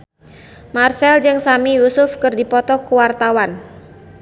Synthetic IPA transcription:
marsɛld͡ʒɨŋsamijusʊfkɨrdipɔt̪ɔkuwart̪awan

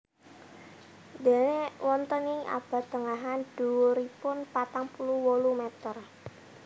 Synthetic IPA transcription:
d̪enewɔnt̪ənɪŋʔa̰b̥ä̤t̪ːəŋaɦand̪̥uuɾipʊnpat̪aŋpuluwolumɛt̪ər

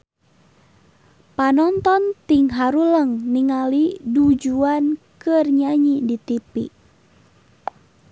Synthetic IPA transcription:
panɔnt̪ɔnt̪iŋɦaɾuləŋniŋalidud͡ʒuankɨrɲaɲidit̪ipḭʔ

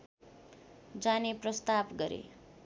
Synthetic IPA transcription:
d͡zaneprʌst̪abɡʌɾḛ

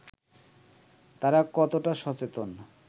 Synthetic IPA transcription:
t̪aɾakɔt̪oʈaʃɔt͡ɕet̪on

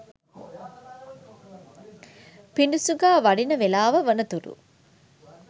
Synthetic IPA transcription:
piɳɖusuɡaːʋɐɖinɐʋelaːʋəʋɐnɐt̪uɾṵ

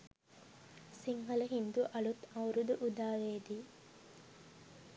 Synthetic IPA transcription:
siŋɦɐləɦind̪uʔɐlut̪ɐuɾud̪uʔud̪aːʋeːd̪iː

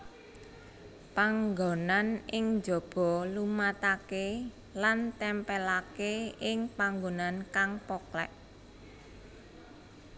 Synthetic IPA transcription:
paŋɡonanɪŋd͡ʒɔ̤b̥ɔ̤lumat̪ake | lant̪ɛmpɛlakeɪŋpaŋɡonankaŋpɔklɛ̰ʔ

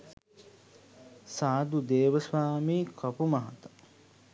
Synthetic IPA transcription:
saːd̪ud̪eːʋəsʋaːmiːkʰɐpumɐɦat̪ə̥

